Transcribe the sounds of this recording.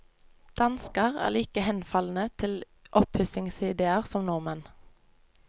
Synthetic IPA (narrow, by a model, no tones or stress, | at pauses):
d̪̥ɑnskəʁæ̰ːliːkəhɛnfɑln̩ət̪ʰɪl | ʔɔphʉsɪŋsɪd̪eːəʁsɔmnɔʁmɛn